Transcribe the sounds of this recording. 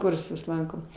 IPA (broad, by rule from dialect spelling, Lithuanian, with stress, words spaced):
ˈkʊrsʊs ˈlˠɐŋkoːm